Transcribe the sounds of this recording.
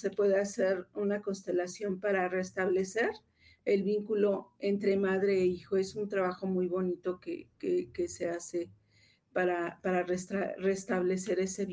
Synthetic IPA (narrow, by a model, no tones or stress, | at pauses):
se̞pwe̞ðe̞aseɾunako̞nst̪e̞lasjo̞mpaɾare̞st̪aβle̞se̞ɾ | elβiŋkulo̞e̞nt̪ɾe̞maðɾe̞ːixo̞e̞sunt̪ɾaβaxo̞mujβo̞nit̪o̞kḛkekese̞ase̞ | paɾapaɾarest̪are̞st̪aβle̞se̞ɾe̞se̞β